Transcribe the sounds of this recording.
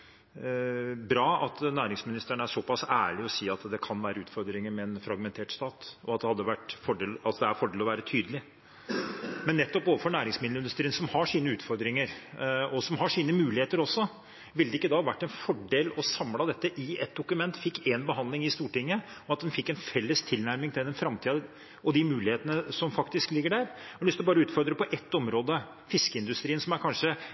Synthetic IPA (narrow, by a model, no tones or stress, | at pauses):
bɾɑːɑt̪næːɾɪŋsmɪnɪst̪əɳəæʂɔpɑsæːɭɪɔsiːɑt̪d̪ɛkʰɑnʋæːɾəʉːt̪fɔɾd̪ɾɪŋəmɛːnfɾɑɡmɛnt̪ʰeːʈst̪ɑːt̪ɔɑt̪̚d̪ɛhɑd̪ːəʋæʈːfɔɖeːlɑlsɔd̪ɛæɾfɔɖeːlɔʋæːɾət̪ʰyːd̪əlɪ | mɛnːɛt̪ːɔpoːʋəfɔɳæːɾɪŋsmɪd̪lɪnd̪ʉst̪ɾiːnsɔmhɑʂiːnəʉːt̪fɔɾd̪ɾɪŋəɾɔsɔmɦɑʂiːnəmʉːlɪheːt̪əɾɔsːɔ | ʋɪld̪əɪkːəd̪ɑhɑʋæʈːɛnfɔɖeːlɔsɑmlɑd̪ɛt̪ːəʔɪɛt̪̚d̪ʊkʉmɛnt̪fɪkːeːnbəɦɑnd̪lɪŋɪst̪uːʈɪŋːə | ɔɑt̪̚d̪ɛnfɪkːɛnfɛlːəst̪ʰɪlnæɾmɪŋt̪ɪd̪ɛnfɾɑmt̪ʰiːd̪ | ɔd̪ɪmʉːlɪheːt̪ənəsɔmfɑkt̪ɪsklɪɡːəɖæɾɔlʏst̪ɔbɑːɾəʉːt̪fɔɾd̪ɾəpɔʔɛt̪ːɔmɾoːd̪ə | fɪskəɪnd̪ʉst̪ɾiːənsɔmæɾkʰɑnʂə